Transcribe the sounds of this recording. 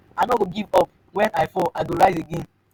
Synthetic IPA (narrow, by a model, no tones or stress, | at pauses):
aɪnɔɡoɡivɔp̚ | wɛ̃naɪfɔʔaɡoɹaɪseɡẽn